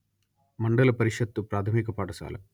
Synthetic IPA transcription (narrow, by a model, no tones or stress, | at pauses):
mɐɳɖɐlɐpɐɾiʂɐt̪ːupɾaːt̪ʰɐmiːkɐpaːʈɐsa̰ːlɐ̰m